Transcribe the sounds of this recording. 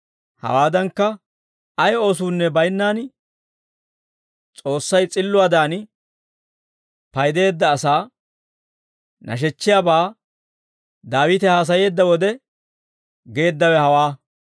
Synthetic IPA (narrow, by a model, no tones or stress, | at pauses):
hɐ̰waːd̪ɐŋkːɐ | ɐjo̞ːs̬uːnːɛbɐjnːaːn | t͡sʼo̞ːsːɐjt͡sʼɪlːʊwaːd̪aːn | pɐjd̪e̞ːd̪ːɐːsaː | nʔɐ̰ʃ̬ɛt͡ʃːɪjaːbaː | d̪aːwɪːt̪ɛhaːs̬ɐje̞ːd̪ːɐwɔd̪ɛ | ɡe̞ːd̪ːɐwɛhɐwaː